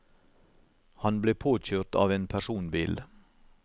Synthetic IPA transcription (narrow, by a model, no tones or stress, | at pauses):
hɑnbleːpʰoːc͡çøːʁt̪ɑ̰ːʋeːnpʰæʃuːnbiːl